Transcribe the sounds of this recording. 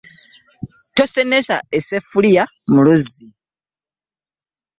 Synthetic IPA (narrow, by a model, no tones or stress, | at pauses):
tosenesa̰esefulija | muluzi